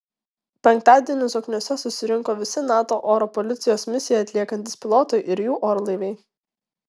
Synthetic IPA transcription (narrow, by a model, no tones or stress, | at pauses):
pʲɛŋkt̪ɑːd̪ʲiɛnʲɪsɔknʲoːsʲɛsʊsʲɪɾʲɪŋkoːʋʲɪsʲɪnɑːt̪oːʔoːɾɔpɔlʲɪt̪sʲɪjoːsmʲɪsʲɪjɛɐt̪ʲlʲiɛkɐnʲt̪ʲɪspʲɪlˠɔt̪ʊɪʔɪɾjuːʔoːɾlˠɐɪʋʲɛɪ